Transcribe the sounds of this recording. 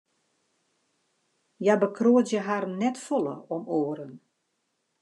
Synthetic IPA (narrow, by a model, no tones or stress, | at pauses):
jabəkʰroətjəɦarnɛtfɔlˠə̰ɔmoːəɾən